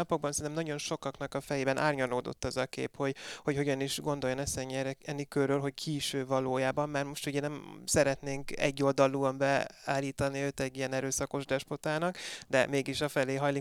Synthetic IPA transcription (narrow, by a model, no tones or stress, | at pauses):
ɒpo̞ɡ̚bɒnsɛnɛmnɒɟo̞nʃo̞kɒknɒkɒfɛjeːbɛnʔaːrɲɒnoːd̪o̞̰t̪ːɒzɒkḛːpho̞ɟho̞cho̞ɟɒniʃɡo̞nd̪o̞jonɛsɛɲɛrɛɛnːikørːølɦo̞ckʰiːʃøːvɒloːjaːbɒmːaːrmo̞ʃt̪uɟɛnɛmsɛɾɛt̪neːŋkɛ̰ɟːo̞ld̪ɒlːuɒmbɛaːlːiːt̪ɒniøːt̪ɛɟːijɛnɛɾøːsɒko̞ʒd̪ɛʃpo̞t̪aːnɒkd̪ɛmeːɡiʃɒfɛleːɦɒjli